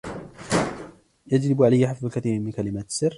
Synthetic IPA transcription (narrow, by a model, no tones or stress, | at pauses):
jad͡ʒlɪbʕalajːaħafðʊlkaθiːɾmɪnkalɪmaːt̪sɪrː